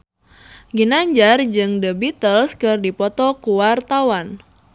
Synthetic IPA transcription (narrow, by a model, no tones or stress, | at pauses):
ɡinaɲd͡ʒard͡ʒɨŋdəbit̪əlskɨrdipɔt̪ɔkuwart̪awan